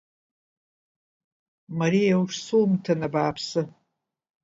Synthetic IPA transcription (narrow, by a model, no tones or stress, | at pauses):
maɾijawʂsumtʰanabaːpʰsɨ